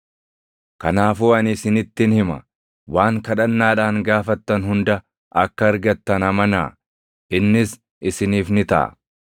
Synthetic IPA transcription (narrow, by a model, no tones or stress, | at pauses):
kɐnaːfuːɐnɪsɪnɪt̪ːɪnhɪmɐ̰ | waːŋkɐᶑɐnːaːᶑaːŋɡaːfɐt̪ːɐnhʊnd̪ɐ | ʔɐkːɐːɾɡɐt̪ːɐnɐmɐnaː | ʔɪnːɪs | ʔɪsɪniːfnɪt̪ɐ̰ʔɐ̰